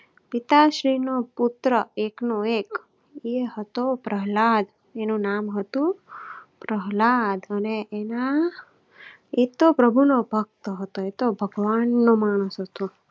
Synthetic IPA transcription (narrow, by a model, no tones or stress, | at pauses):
pit̪aʃɾinoput̪ɾəeknoek | eɦət̪opɾəɦlad̪ | enũnamɦət̪ũpɾəɦlad̪əneʔena | et̪opɾəbʱunobʱək̚t̪əɦət̪oet̪obʱəɡʋanːomaːɽ̃əsɦət̪o